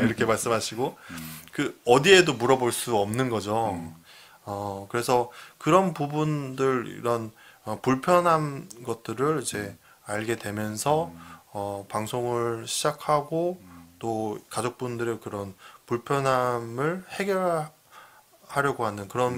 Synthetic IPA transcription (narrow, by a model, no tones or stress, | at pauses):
iɾʌkʰe̞maɭs͈ɯmɦaɕʰiɡokɯʌdie̞domuɾʌboɭs͈uʌmnɯnɡʌd͡ʑo | ʌkɯɾe̞sʰʌkɯɾʌnpubundɯɾḭɾʌnʌpuɭpʰjʌnɦanɡʌt̚t͈ɯɾɯɭid͡ʑe̞ | aɭɡe̞dwe̞mjʌnsʰʌʌpaŋsʰoŋɯɭɕʰid͡ʑakʰaɡot͈okad͡ʑok̚p͈undɯɾekɯɾʌnpuɭpʰjʌnɦamɯɭhe̞ɡjʌɭ | haɾjʌɡoɦanɯnkɯɾʌn